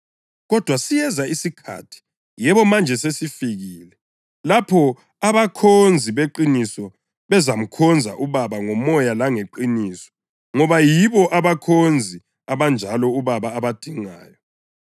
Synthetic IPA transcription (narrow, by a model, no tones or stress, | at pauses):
ɣɔd̥ʱwasijɛzaisikʰa̰tʰi̥ | jɛβɔmand͡ʒʱɛsesifiɣiːlɛ | lapʰɔ | aβakʰond͡zʱiβeǃinisɔ | βɛzam̩kʰɔnd͡zʱa̰ʔuβaβaŋɔmɔjalaŋeǃiniːsɔ̥ | ŋɔβajiβɔʔaβakʰond͡zʱi | aβand͡ʒʱalɔuβaβaːβad̥ʱiŋaːjɔ